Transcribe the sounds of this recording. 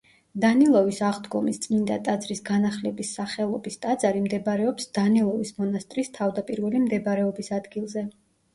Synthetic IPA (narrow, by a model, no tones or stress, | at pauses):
d̪anilˠɔvisaʁd̪ɡɔmist̪sʼmind̪at̪ʼad̪zɾisɡanaχlɛbisːaχɛlˠɔbist̪ʼad̪zaɾimd̪ɛbɾɛɔpsd̪̥anilˠɔvismɔnast̪ʼɾist̪ʰavd̪apʼiɾvɛlimd̪ɛbaɾɛɔbisad̪ɡilˠzɛ